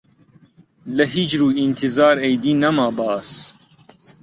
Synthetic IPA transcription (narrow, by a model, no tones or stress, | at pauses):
lɐɦiːd͡ʒɾuːint̪ʰizaːɾejd̪iːnɐmaːbɑːs